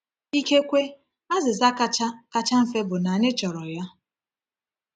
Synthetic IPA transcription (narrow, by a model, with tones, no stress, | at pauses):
i˦ke˦kʷe˦ | a˦zɪ˨za˦ka˦t͡ʃa˦ka˦t͡ʃa˦m̩˨fe˦bʊ˨na˨ɲɪ˦t͡ʃɔ˨ɾɔ˨ja˦